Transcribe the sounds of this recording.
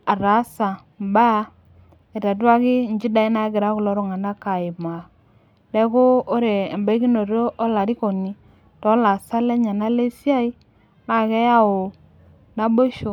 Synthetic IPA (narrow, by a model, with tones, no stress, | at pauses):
a˨ɾa˨˦sa˨ | mba˦ | e˨ta˨d̬wa˦kɪ˦n˦d͡ʒi˦da˨i˦na˦ɡɪ˨ɾa˦kʊ˨lɔ˨˦ɾo˨ŋa˨na˦ka˨ɪ˨ma˨ | dɛ˦ko˦o˦ɾeː˨mba˦ki˦no˨ɾo˦ʔɔ˦la˨ɾi˦ko˨ni˨ | tɔ˨˦la˨sa˦le˦ɲa˨na˦le˦si˦a˦i˦ | na˦˨kɛ˦ja˦o˨ | na˦bo˦ʃo˨